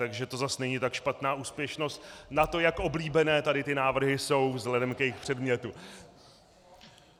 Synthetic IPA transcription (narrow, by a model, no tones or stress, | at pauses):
t̪aɡʒɛt̪o̞zasnɛɲit̪akʃpat̪naːuːspjɛʃno̞st̪nat̪o̞jakʔo̞bliːbɛnɛːt̪adɪt̪ɪnaːvr̩ɦɪso̞wvzɦlɛdɛmkjɛjɪxpr̝̥ɛdmɲɛt̪u